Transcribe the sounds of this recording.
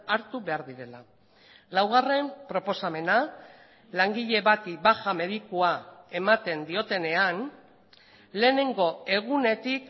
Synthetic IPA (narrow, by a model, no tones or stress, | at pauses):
aɾt̪uβe̞aɾðiɾe̞la | lawɣ̞are̞mpɾo̞po̞same̞na | laŋɡiʎe̞βat̪iβaxame̞ðikuae̞mat̪e̞nd̪io̞t̪e̞ne̞an | le̞ːne̞ŋɡo̞e̞ɣ̞une̞t̪ik